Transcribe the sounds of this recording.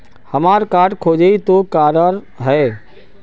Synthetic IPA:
hɐmaːɾkaːɾʈkʰoːd͡ʒeit̪okaːɾəɾ | ɦɛː

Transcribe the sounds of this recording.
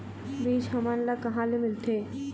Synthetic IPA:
biːt͡ʃɦɐmanlakɐɦãlemɪlt̪ʰeː

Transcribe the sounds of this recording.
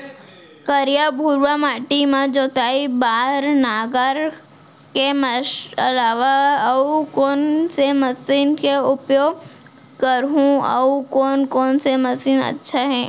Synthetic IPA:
kəɾijabʱuːɾʋamaːʈimãd͡ʒoːt̪aːibaːɾnaːɡəɾ | keməɐ̰laːʋaukɔːnseməsiːnkeʊpjoːɡ | kəɾɦũɐ̰ukɔːnkɔːnsemɐsiːnə̰tːʃʰaɦɛ̃ː

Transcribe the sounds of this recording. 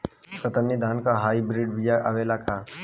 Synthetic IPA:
kət̪ənːid̪ʱaːnkaɦaːibɾiɖbijaʔaʋeːlakʰa

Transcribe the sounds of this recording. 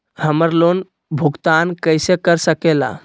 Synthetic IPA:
həməɾlon | bʱuɡt̪ankəɪsekəɾsəkela̰

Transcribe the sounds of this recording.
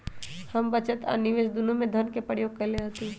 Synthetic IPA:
hɐmbɐt͡ʃət̪ɐ̰nɪʋeːʃd̪ʊnõmẽd̪ʱɐnkepɾəɾjoːɡ̚kɐɾleɦɐt̪ẽ

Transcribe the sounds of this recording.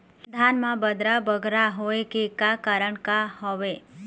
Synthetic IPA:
d̪ʱanmãbəd̪ɾabəɡʱɾaɦoekekakaɾəɳkahɔʋe

